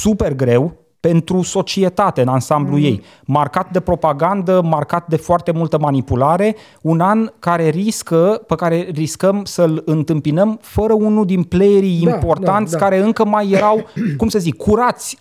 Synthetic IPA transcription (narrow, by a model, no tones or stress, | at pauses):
supe̞rɡɾe̞w | pe̞nt̪ɾuso̞t͡ʃie̞t̪at̪eɨnansambluje̞̰j | markat̪̚d̪e̞pɾo̞paɡand̪əmarkat̪̚d̪e̞foart̪e̞mult̪əmanipulaɾe̞ | unankaɾe̞riskəpəkaɾe̞riskəmsəlɨnt̪ɨmpinəmfəɾəunuld̪inplejeɾiimppo̞rt̪ant̪sʲkaɾe̞ɨŋkəmajːe̞ɾawkumsəzikkːuɾat̪sʲ